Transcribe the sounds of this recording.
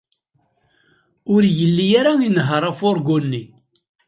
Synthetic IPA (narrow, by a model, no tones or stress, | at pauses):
ʊɾjəlːijaɾainəɦəɾˤafʊɾɡunːi